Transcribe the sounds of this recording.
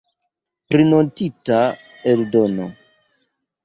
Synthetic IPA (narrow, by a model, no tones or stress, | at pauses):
pɾino̞ntita | eldo̞no̰